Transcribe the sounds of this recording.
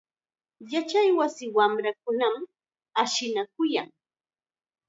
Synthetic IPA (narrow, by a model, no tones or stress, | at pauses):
jat͡ʃajwasɪwamɾakʊnam | aʃɪnakʊjaŋ